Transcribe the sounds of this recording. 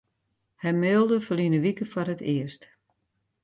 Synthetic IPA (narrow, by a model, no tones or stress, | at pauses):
hɛjmɪːlˠdəfəlinəʋikəfɔrɦətʰɪəst